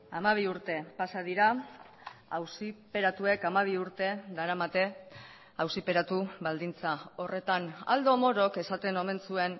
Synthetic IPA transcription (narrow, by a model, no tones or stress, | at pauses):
amaβ̞iuɾt̪e̞pasaðiɾa | awsipe̞ɾat̪ue̞kamaβ̞iuɾt̪e̞d̪aɾamat̪e̞ | awsipe̞ɾat̪uβald̪int͡sao̞re̞t̪ana̰ld̪o̞mo̞ɾo̞ke̞sat̪e̞no̞me̞nsue̞n